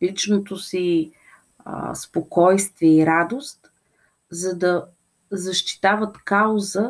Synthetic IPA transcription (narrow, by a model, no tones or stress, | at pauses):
lit͡ʃnot̪osḭ | spokɔjst̪vɛiɾad̪ost̪ | zɐd̪ə | zɐʃt̪i̥t̪avət̪kaʊzə